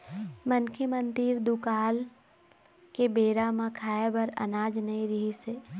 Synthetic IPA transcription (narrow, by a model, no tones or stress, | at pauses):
mənkʰəmə̃nt̪iːɾd̪ukaːl | kebeːɾamãkʰaːebɐɾɐ̰naːd͡ʒnəĩɾiɦiseː